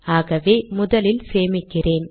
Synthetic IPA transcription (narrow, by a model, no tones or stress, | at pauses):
aːɣɐʋeːmʊðɐlɪlseːmɪkːɪreːn